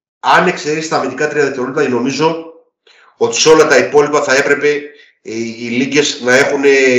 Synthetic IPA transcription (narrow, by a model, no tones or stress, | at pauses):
ɐne̞kse̞ɾesist̪ɐmit̪ikɐt̪ɾiɐðeft̪eɾolip̪ɐeno̞mizo̞ | o̞t̪i̥seo̞lɐt̪ɐipo̞lipɐθɐe̞pɾe̞pe̞ | iliʝe̞znɐe̞xune